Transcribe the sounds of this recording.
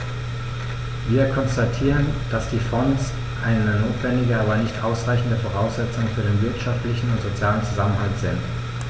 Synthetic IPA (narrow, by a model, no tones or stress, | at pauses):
viːɐkʰɔnstatʰiːʁənd̥asd̥iːfɔns | ʔaɪnnənoːtv̥ɛndɪɡəaːbɐnɪçtʔaʊsʁaɪçn̩dəfoʁ̞aʊsz̥ɛt͡sʊŋfyːɐɾeːnvɪɐtʃaftlɪçn̩ʊntz̥ot͡sjaːlənt͡suzamənhaltz̥ɪnt